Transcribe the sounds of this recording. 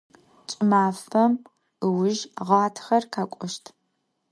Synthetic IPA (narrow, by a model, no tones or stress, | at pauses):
t͡ʃʼɪmaːfɐm | ɨwʊʒʁaːtʰxɐrkʰaːkʷʼɔʃtʰ